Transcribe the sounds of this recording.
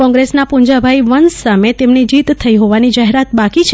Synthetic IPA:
kɔ̃ŋɡɾesnapuɲd͡ʒabʱaiʋənsːamet̪emnid͡ʒit̪ʰːəiɦoʋanid͡ʒaɦeɾat̪̚bakit͡ʃʰ

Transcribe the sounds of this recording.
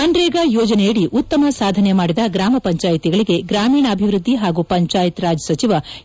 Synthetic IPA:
ɐnɖɾeːɡajoːd͡ʒɐnejɐɽiʔut̪ːɐmɐsaːd̪ʱɐnemaːɽid̪ɐɡɾaːmɐpɐɲt͡ʃaːjt̪iɡɐɭiɡe̞ɡɾaːmiːɳɐːbʱiʋɾud̪ʱːiɦaːɡupɐɲt͡ʃaːjit̪ɾaːd͡ʒɐsɐt͡ʃiʋɐ

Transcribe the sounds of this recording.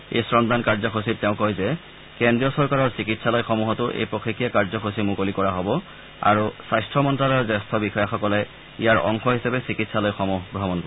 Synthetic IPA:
ḛjsɹɔnt̪ankaɹzɔxosit̚tːɛʊ̃kɔjzɛ | kendɹijɔsɔɹkaɹɔɹsikitsalɔjxɔmuɦɔtʊʔḛjpɹɔkʰikʰːijakaɹzɔxosimukolikɔɹaɦɔbɔ | a̰ɹusajstɹɔmɔntɹalɔjɔzɛstʰɔbixɔjaxɔkɔlɛ | ijaɹɔ̰ŋxɔɦisapɛsikitsalɔjxɔmuɦbʱɹɔbɔnkɔ

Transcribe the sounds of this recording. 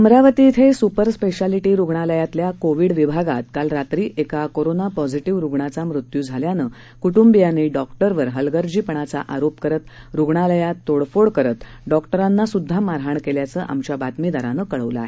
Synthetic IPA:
əmɾaʋət̪iːt̪ʰesupəɾspeɕaliʈiːɾuɡɳaləjat̪ljakoʋiɽʋibʱaɡat̪kalɾat̪ɾiːekakoɾonapɔd͡ziʈiʋɾuɡɳat͡samɾut̪juːd͡zʱaljanəː | kuʈumbijaniːɖɔkʈəɾʋəɾɦəlɡəɾd͡ʑiːpəɳ̃at͡sa̰ʔaɾopkəɾət̪ɾuɡɳaləjat̪ːoɽfoɽkəɾət̪ | ɖɔkʈəɾanːasud̪ʱːamaɾɦaɳkeljat͡səːʔa̰mt͡ɕjabat̪mid̪aɾanəːkəɭəʋlə̰a̰ɦe

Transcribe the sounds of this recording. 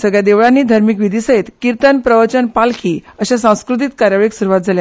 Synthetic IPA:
səɡɭjad̪eʋɭãnːiːd̪ʱaɾmik̬ʋid̪ʱiːsəɦet̪kiɾt̪ənpɾəʋət͡ɕənpalkʰiːəɕasãw̃skɾut̪̬it̪kaɾjaʋɭiksuɾuʋat̪̚d͡zʱalja

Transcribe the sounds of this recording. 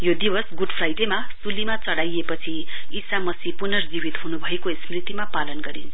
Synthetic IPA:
jod̪ibʌsɡuɖpʰrajʈemasulimat͡sʌɽajepʌt͡sʰiisamʌsipunʌrd͡zibit̪ɦunubʱʌekosmrit̪imapalʌnɡʌɾint͡sʰʌ

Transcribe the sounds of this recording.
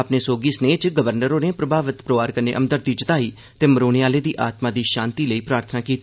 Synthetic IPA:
əpneːsoːɡiːsneːt͡ʃɡəʋəɾnəɾoːneːpɾəbʱaːʋət̪pɾəʋaːɾkəɾnḛːʔəmd̪əɾd̪iːt͡ʃət̪aːiː | t̪eːməɾoːneaːleːd̪iːʔaːt̪maːd̪iːʃãːnt̪iːləiːpɾaːɾt̪ʰənaːkiːt̪i

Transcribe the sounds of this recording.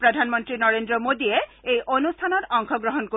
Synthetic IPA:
pɾod̪ʱanmont̪ɾinɔɾend̪ɾomod̪ieejʔonust̪ʰanoɾɔŋkʰoɡɾoɦonko

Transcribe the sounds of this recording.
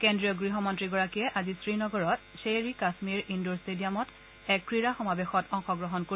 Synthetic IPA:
kendɹijɔɡɹiɦɔmɔntɹiɡɔɹakijɛʔazisɹinɔɡɔɹɔtseɹikasmiɹindoɹstediamɔt | ɛkkːɹiɹaxɔmabexɔtʰɔŋxɔɡɹɔɦɔnko

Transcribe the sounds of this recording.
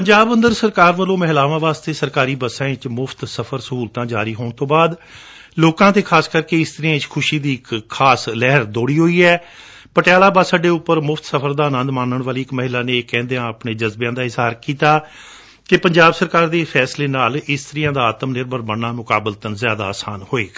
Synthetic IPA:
pəɲd͡ʒaːbə̃nd̪əɾsəɾkaːɾʋəlõːməɦɪlaːʋãːʋaːst̪eːsəɾkaːɾiːbəsãːt͡ʃmʊpʰt̪səpʰəɾsəɦuːlt̪ãːd͡ʒaːɾiːɦoːɳ̃t̪õːbaːd̪ | loːkãːt̪eːkʰaːskəɾkeːɪst̪əɾɪãːt͡ʃkʰʊʃiːd̪iːɪkʰːaːslɛɦəɾd̪oːɽiːɦoːiːɛː | pəʈjaːlaːbaːsəɖeːʊpːəɾmʊpʰt̪səpʰəɾd̪aːənə̃nd̪maːnːəɳʋaːliːɪkməɦɪlaːnẽːkɛ̃ːnd̪eãːəpneːd͡ʒəzbejãːd̪aːɪzaːɾkiːt̪aː | kepəɲd͡ʒaːbsəɾkaːɾd̪eːpʰɛːsleːnaːlɪst̪əɾɪjãːd̪aːaːt̪əmnɪɾbəɾmənːaːmʊkaːbəlt̪ənzjaːd̪aːsaːnhoːeː

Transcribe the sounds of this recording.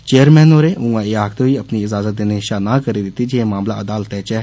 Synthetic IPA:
t͡ʃeːəɾmɛ̃ːnoːɾeːʊ̃ɡãɪaːkt̪oiəpniɪzaːzət̪̚d̪eneʃaːnãːkəɾid̪ɪt̪ːid͡ʒẽmaːmlaːəd̪aːlət̪ɦɛːt͡ʃɛː

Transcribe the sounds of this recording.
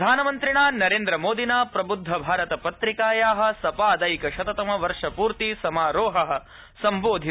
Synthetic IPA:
d̪ʱaːnɐmɐnt̪ɾiɳaːnɐɾeːnd̪ɾɐmoːd̪inaːpɾɐbud̪ʱːɐbʱaːɾɐt̪ɐpɐt̪ɾikaːjaːɦɐ̆sɐpaːd̪ɐjkɐʃɐt̪ɐt̪ɐmɐʋɐɾʂɐpuːɾt̪isɐmaːɾoːɦɐɦɐ̆ | sɐmboːd̪ʱi

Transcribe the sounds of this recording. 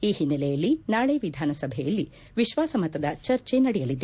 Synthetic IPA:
iːhinːɐlɛjɐlːinaːɭeʋid̪ʱaːnɐsɐbʱɛjɐlːi | ʋiʃʋaːsɐmɐt̪ɐd̪ɐt͡ʃɐɾt͡ʃenɐɽɛjɐlid̪e

